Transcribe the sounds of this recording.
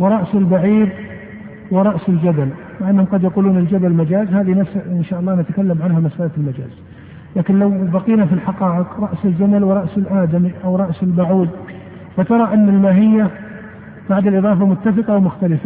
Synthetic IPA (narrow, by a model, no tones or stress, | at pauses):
wɪɾˤɑʔsɪlbaʕiːɾ | wɪɾˤɑʔsɪld͡ʒad̪al | mɪʕʔanːhʊmqɑd̪jɑquːluːnɪld͡ʒad̪almad͡ʒaːzhaːðinasɪnʃaːʔɑlˤːɑːnat̪akalːamʕanhamasʔallmad͡ʒa̰ːz̥ | laːkɪnlawbaqiːnafilħaqɑːʔɪqɾˤɑʔsɪld͡ʒad̪alwɪɾˤɑʔsɪlʔaːd̪amiʔawɾˤɑʔsɪlbaʕuːd̪ | fat̪ɑɾˤɑʔanːalmaːɦɪjːa | b̥aʕd̪ɪlʔɨðˤɑːfamʊt̪ːɑfɨqɑwmʊxt̪alɪfa